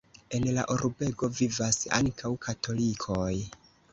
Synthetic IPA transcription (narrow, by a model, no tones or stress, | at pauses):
e̞nla̰ʔoɾbe̞ɡo̞vivasa̰ŋkʰawkʰatʰo̞likʰoj